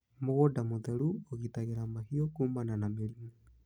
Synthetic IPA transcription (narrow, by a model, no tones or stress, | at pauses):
moɣodamot̪eɾuoɣit̪aɣeɾamahiokumananameɾime